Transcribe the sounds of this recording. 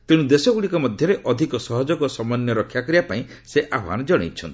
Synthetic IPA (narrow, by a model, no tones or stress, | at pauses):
t̪eɽ̃ũd̪esɔɡuɽikɔmɔd̪ʱjɔɾeʔɔd̪ʱikɔsɔɦɔd͡ʒɔkɔsɔmɔnjɔɾɔkʰːjakɔɾiapaĩ | seʔabʱa̰nd͡ʒɔɽ̃ḛjt͡ʃʰɔnt̪ii̥